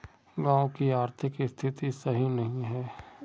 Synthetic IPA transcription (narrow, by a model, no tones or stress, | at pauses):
ɡãːokiaːɾt̪ʰɪkst̪ʰɪt̪isɐɦinɐɦĩɦɛː